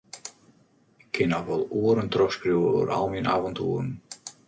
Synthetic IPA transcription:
ɪkʰːɪnɔxʋɔlˠuəɾəntrɔxskrjuːwəo̰ːɾa̰lˠmiənaːvɔntʰṵəɾn

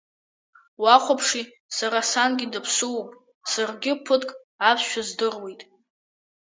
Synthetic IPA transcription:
waχʷʰapʰʂi | saɾasanɡʲɪdɨpʰsuwpʼ | sarɡʲɪpʰɨtʼkʼ | apʰʃʷᶣazdɨrwejtʼ

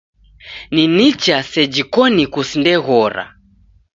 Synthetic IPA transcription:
ninit͡ʃasɛd͡ʒikɔnikusindɛɣɔɾa̰

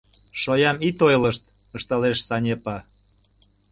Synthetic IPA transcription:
ʃojɑmit̪ojləʃt̪̚ | əʃt̪ɑleʃsɑnʲepɑ

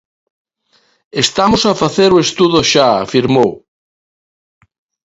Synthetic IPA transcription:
est̪amosafaθeɾoest̪uðoʃaa̰fiɾmow

